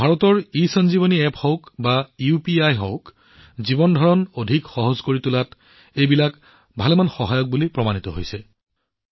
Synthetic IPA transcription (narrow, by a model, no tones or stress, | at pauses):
bʱaɹɔtɔɹisɔnzibɔniɛpʰhɔkbaiupiajɦɔ̰wk | zibɔndʱɔɹɔnodʱikxɔɦɔzkoɹitulat | ejbilak | bʱalɛmanxɔɦajɔk̚bulipɹɔmanitɔɦo̰jsɛ